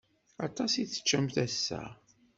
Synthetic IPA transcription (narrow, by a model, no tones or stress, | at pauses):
ɑt̪ˤɑsiθːə̥t͡ʃːæmθæsːæ̰